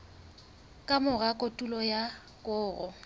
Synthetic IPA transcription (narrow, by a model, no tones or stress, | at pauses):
kʼamʊɣakʼotʼulɔja | kʼʊːɣɔ̰